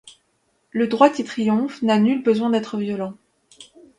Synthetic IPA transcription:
ləd̪ʁwak̪it̪χijɔ̃fnanylbəzwɛ̃d̪ɛt̪χəvjɔlɑ̃

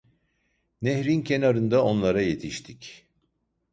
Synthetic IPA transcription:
neçɾincʰenaɾɯnd̪ao̞nlˠaɾaje̞t̪ʰiʃt̪ʰic

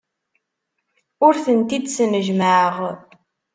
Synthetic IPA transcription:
ʊɾθənt̪id̪sənəʒməʕəʁ

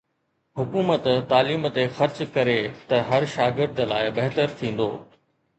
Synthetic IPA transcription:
ɦʊkuːmət̪t̪aːliːmt̪exɐɾt͡ɕkɐɾet̪ɐɦɐɾʃaːɡɪɾd̪əla̰ːɪbɐɦt̪əɾt̪ʰĩːn̆d̪o̰ː

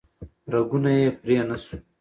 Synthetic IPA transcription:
ɾɐɡunajepɾijanɐsu̥

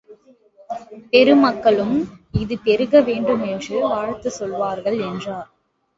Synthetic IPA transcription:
pɛɾɯmɐkːɐɭɯmɪðɯpɛɾɯɣɐʋeːɳɖɯmɛndrɯʋaːɻt̪ːɯsɔlʋaːɾɣɐɭɛndraːɾ

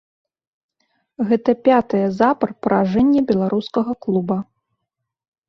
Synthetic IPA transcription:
ɣɛt̪ɐpʲat̪ɨjɐzapɐrpɾaʐɛnʲːɛbʲɛlˠaɾʔuskɐɣɐklˠubɐ

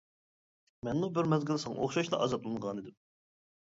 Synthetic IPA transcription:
mɛnmubɪɾmɛzɡʲilˠsoχʃɑʃlˠɑ̰ɑzɑt̪̚lˠɨŋʁɑnɨd̪ɪm

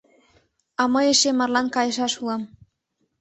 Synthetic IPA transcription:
ɑmɤeʃemɑrlɑnkɑjə̆ʃɑʃuɑm

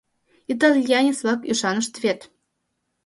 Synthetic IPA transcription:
it̪̬ɑlʲjɑnʲet͡svɑkyʃɑnə̆ʃt̪vʲet̪

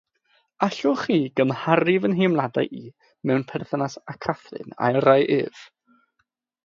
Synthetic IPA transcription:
aɬʊχiːɡəmhaɾɪvənɦemlˠada̰jʔi | mɛwnpʰɛrθənasakʰaθrɪ̰na̰jrajʔɨːv̥

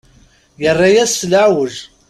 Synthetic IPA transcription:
jərˤːɑjæslaʕwəʒ

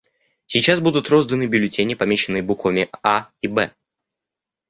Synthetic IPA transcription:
sʲɪt͡ɕːasbud̪ʊt̪ɾo̞zd̪ənɨbʲɪlʲɪtʲenʲɪpɐmʲeɕɪnːɨjəbukvəmʲɪaibɛ

